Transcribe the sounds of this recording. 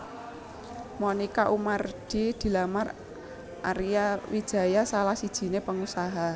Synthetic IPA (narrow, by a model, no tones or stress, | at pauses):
monikaʔumard̪̥i̤d̪̥i̤lamar | ʔa̰ɾijawi̥ʒ̥a̤jasalahsid̥ʒ̥i̤nepəŋusaɦa